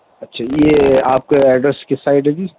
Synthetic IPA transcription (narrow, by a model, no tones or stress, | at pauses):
ɐtːʃʰaːjeaːp̚keɛːɖɾɛskɪsaːɪʈɦɛd͡ʒiː